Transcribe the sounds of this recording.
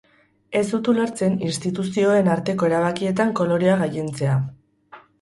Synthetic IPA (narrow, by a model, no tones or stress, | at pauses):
e̞sut̪uloɾt͡se̞ninst̪it̪usio̞e̞naɾt̪e̞ko̞e̞ɾaβ̞akie̞t̪aŋko̞lo̞ɾeaɣaje̞nt͡se̞a